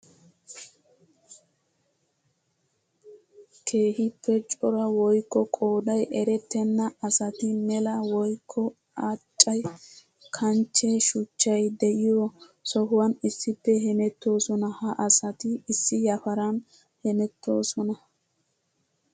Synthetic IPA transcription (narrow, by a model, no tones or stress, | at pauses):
kʰe̞ːhɪpːɛt͡ʃʼɔɾɐwɔjkːɔkʼoːd̪ɐjʔɛɾɛt̪ːɛnːɐɐsɐt̪ɪmɛlɐwɔjkʰːɔ | aːt͡ʃʼːɐj | kʰɐnt͡ʃːɛʃʊt͡ʃːɐjd̪ɛʔɪjɔsɔhʊwɐnɪsːɪpːɛɦɛmɛt̪ːo̞ːsɔnɐhɐʔɐsɐt̪ɪɪsːɪjɐfɐɾɐn | hɛmɛt̪ːo̞̰ːsɔnɐ